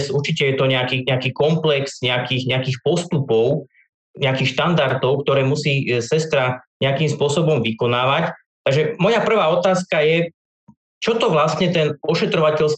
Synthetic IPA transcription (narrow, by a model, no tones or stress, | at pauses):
suɾt͡ʃicɛjɛt̪ɔɲɛakiːɲɛakiːkɔmplɛksɲɛakiːɣɲɛakiːxpɔst̪upɔʊ | ɲɛakiːxʃt̪and̪aɾt̪ɔʊkt̪ɔɾɛːmusiːsɛst̪ɾaɲɛakimspʊɔsɔbɔmʋikɔnaːʋac | t̪aɡʒɛmɔjapr̩ʋaːɔt̪aːskajɛ | t͡ʃɔt̪ɔʋlast̪ɲɛt̪ɛnɔʃɛt̪ɾɔʋacɛʎs